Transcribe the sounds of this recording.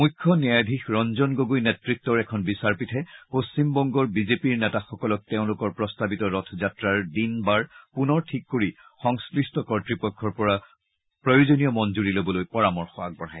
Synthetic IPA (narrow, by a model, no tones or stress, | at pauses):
mujkʰːɔniadʱixɹɔnzɔnɡoɡujnɛtɹik̚tɔɹɛkʰɔnbisaɹpitʰɛposimbɔŋɡɔɹbizepiɹnɛtaxɔkɔlɔk̚teʊ̃lʊkɔɹpɹɔstabitɔɹɔtʰɔzatɹaɹdinbaɹpunɔɹtʰikːoɹixɔŋsklistɔkɔɹtɹipɔkʰːɔɹpɔɹa | pɹojozonijɔmɔnzuɹilobɔlojpɔɹamɔɹxɔak̚bɔɹaj